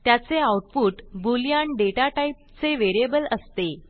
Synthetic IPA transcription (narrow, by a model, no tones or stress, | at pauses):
t̪jat͡seawuʈpuːʈbuljaɳɖeʈaʈaip̚t͡seʋeɾiebələst̪e